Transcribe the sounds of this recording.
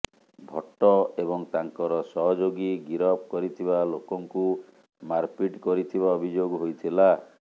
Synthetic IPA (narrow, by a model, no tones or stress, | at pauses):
bʱɔʈːɔebɔŋt̪aŋkɔɾɔsɔɦɔd͡ʒoɡiɡiɾɔp̚kɔɾit̪ʰibalokɔŋku | maɾpiʈkɔɾit̪ʰiβaɔbʱid͡ʒoɡɦojt̪ʰila